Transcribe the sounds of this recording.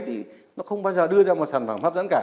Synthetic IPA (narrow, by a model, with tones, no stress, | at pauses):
t̪ʰi˨˩ | nɔ˨˦xə˧wŋ͡mɓaː˧jzəː˨˩ɗɨ˧əzaː˧mɔ˨˩t̚saː˨˧˩nfaː˨˧˩mfa˦˥pzə̰˧˥nkaː˧˩